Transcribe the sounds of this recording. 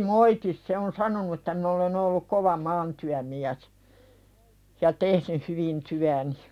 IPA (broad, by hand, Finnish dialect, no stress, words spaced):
moitis se on sɑnonu etːæ min olen olːuk koʋɑ mɑːntyæmiæs jɑ tehnyh hyʋin tyæni